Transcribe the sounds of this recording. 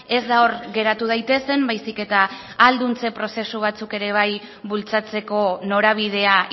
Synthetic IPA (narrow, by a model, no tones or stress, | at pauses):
e̞zd̪ao̞ɾɡe̞ɾat̪uð̞ajt̪e̞se̞mbajsike̞t̪aː | ld̪unt͡se̞pɾo̞se̞suβ̞at͡suke̞ɾe̞β̞aj | bult͡sat͡se̞ko̞no̞ɾaβ̞ið̞e̞a